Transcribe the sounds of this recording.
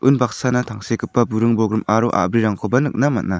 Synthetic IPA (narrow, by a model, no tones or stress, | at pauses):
ʔɯnbak̚sanatʰaŋsekʰɯpːabuɾɯŋbɔɡɾɯmaɾuʔa̰bɾiɾaŋkʰɔbɐnɯk̚nama̰t̚na